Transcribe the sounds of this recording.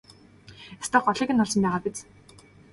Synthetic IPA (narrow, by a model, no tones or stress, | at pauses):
est̪ɔχɔɮiːkɘ̆nːʊɮsɞ̆mpæːʁaːpet͡s